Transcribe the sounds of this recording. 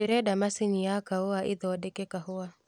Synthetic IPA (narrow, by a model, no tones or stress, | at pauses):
iɾɛɗamasiɲijakaɔaʔiðɔwaɗɛkɛkahʊwa